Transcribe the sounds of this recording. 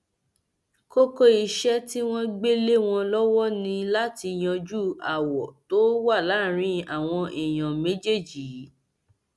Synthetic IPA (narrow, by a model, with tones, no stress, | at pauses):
ko˦ko˦i˧ʃɛ˦ti˦w̃ɔ̃˦ɡ͡be˦le˦w̃ɔ̃˧lɔ˦wɔ˦nĩ˧la˦ti˧˨j̃ã˧d͡ʒu˦a˨wɔ˨to˦wa˦˨la˨˦˨ɾ̃ĩ˧a˨w̃ɔ̃˧ʔi˨j̃ã˨mẽ˦d͡ʒe˦˨d͡ʒi˨˦